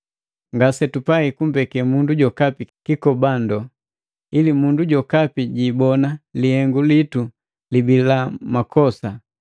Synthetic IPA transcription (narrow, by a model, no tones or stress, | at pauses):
ŋɡasɛtupaikum̩bɛkɛmunduɟɔkapikikɔbandɔ | ilimunduɟɔkapiɟiːbɔnalihɛŋɡulitu | libilamakʰɔsa